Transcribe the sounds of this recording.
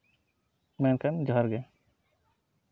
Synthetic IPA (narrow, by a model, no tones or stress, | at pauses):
mɛnkʰand͡ʒʱaɾɡɛ